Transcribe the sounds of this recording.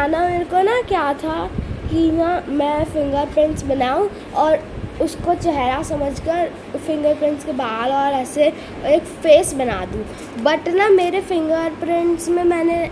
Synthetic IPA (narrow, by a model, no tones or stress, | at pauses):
aːnaɾkonakjaːt̪ʰakiɦamɛ̃fɪ̃ŋɡəɾpɾɪ̃ɳʈsbɐnaːũ | ɔːɾʊskot͡ʃɛɦɾasɐməd͡ʒʱkəɾ | fɪ̃ŋɡəɾpɾɪ̃ɳʈskebaːlɔːɾɛːse | eːkfeːsbɐna̰ːd̪ũː | bɐʈnameːɾefɪ̃ŋɡəɾpɾɪ̃ɳʈsmẽmɛ̃ːne